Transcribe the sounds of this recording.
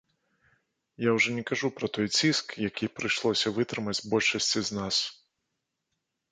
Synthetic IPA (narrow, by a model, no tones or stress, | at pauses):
jawʐɔnʲɛkaʐupɾɐt̪ɔjt͡sʲiskjakʲipɾɨjʂlˠɔsʲɐvɨt̪ɾɨmɐd͡zʲbɔlʲʂɐsʲt͡sʲiznas